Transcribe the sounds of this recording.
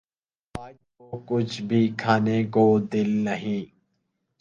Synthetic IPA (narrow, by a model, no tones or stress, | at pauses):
aːd͡ʒ | oːkʊt͡ʃʰbʱiːkʰaːnekoːd̪ɪlnəɦĩː